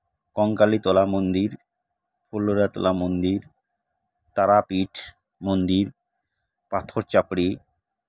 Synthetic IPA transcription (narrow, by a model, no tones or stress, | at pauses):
kɔŋkalit̪ɔlamond̪iɾ | pʰolːoɾat̪ɔ̰lamond̪iɾ | t̪aɾapiʈʰ | mond̪iɾ | pat̪ʰoɾt͡ɕapɽi